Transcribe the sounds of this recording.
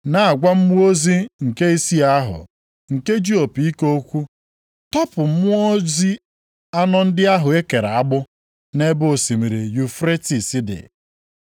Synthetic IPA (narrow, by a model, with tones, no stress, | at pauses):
na˨a˨ɡʷa˦m̩˦mu˦o˦zi˦ŋ̩˨ke˦i˦si˦a˦ɦʊ̰˨ | ŋ̩˨ke˦d͡ʒi˦o˨pi˦ko˦kʷu˦ | tɔ˦pʊ˨m̩˦mʊ˦ɔ˦zi˦ | a˦nɔ˦n̩˦dɪ˦a˦ɦʊ˨e˦ke˨ɾa˨a˦ɡ͡bʊ˦ | ne˦bo˨si˨mi˨ɾe˨ju˨fɾe˦ti˨si˦dḛ˨